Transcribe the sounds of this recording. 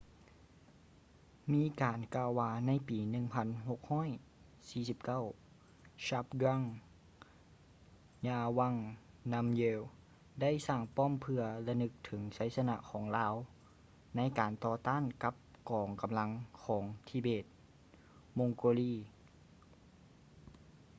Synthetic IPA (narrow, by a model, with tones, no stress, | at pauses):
miː˧˥kaː˨nkaː˧wːaː˧na˧˥˨jpiː˨˩nɯ˧ŋpʰa˧˥˨nɦo˧˦k̚hɔː˥˨j | siː˧si˧˦p̚ka˥˨w | ɕa˧˥p̚ɡa˧˥˨ŋ | ɲaː˧˩wa˧˩˨ŋ | na˧˥mjeː˧w | da˥˨jsaː˧˩ŋpɔː˥˨mpʰɯ˧ɐla˧nɯ˧˥k̚t̪ʰɯ˩˦ŋsa˨˦˥jsa˧na˧ʔkʰɔː˩˦ŋlaː˧˥w | na˧˥˨jkaː˨˩nt̪ɔː˧t̪aː˥˨nka˧˦p̚kɔː˨˩ŋka˨mla˧˥ŋkʰɔː˩˦ŋt̪ʰiː˧beː˧˩t̪̚ | mo˧ŋkoː˧liː˧˩